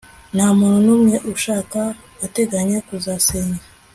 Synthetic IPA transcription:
nhamuɾunumŋe̞ʔuʃaːka | ate̞ɡaɲe̞kuzaseɲa

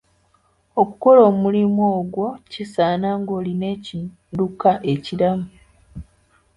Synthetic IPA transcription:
o̞kuko̞lo̞ːmulimoːɡwo̞cisaːnaŋɡo̞ːline̞ci | dukaʔe̞ciɾamu

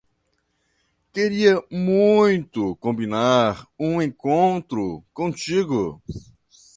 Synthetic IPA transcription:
keɾiɐmũj̃t̪ʊkõmbinaɾũẽkõnt̪ɾʊkõt͡ʃiɡʊ

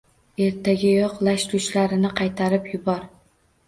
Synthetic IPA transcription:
e̞ɾt̪ʰaɡʲɪjɒqlaʃt̪ʊt͡ʃlaɾɪnɪqʰɑjt̪ʰaɾɪpjʊbɒɾ

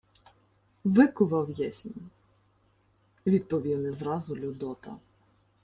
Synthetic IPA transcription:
ʋɪkʊʋɐwjɛsʲmʲi | ʋʲid̪̚pɔʋʲiwnɪzɾɑzʊlʲʊd̪ɔt̪ɐ̰

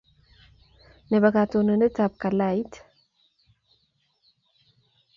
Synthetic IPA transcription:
nəβəɡat̪ʰonɨnɨt̪ʰabkalajt̪ʰ

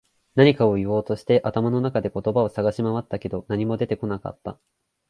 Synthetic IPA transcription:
naɲ̟ikao̞iβo̞ːt̪o̞ɕi̥t̪e̞ʔat̪amano̞nakad̪e̞ko̞t̪o̞bao̞saɡaɕimaβat̪ːake̞d̪o̞naɲ̟imo̞d̪e̞t̪e̞ko̞naka̰t̪ːa̰

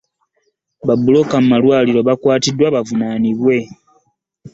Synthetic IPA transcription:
βabːulo̞kamumalwaːliɾo̞βakwaːtidwaβavunaːniβwe̞

